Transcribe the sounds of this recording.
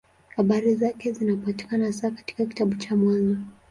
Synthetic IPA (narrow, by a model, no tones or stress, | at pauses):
haɓaɾizakɛzinapati̥kanasakḁti̥kaki̥taɓut͡ʃamwanzɔ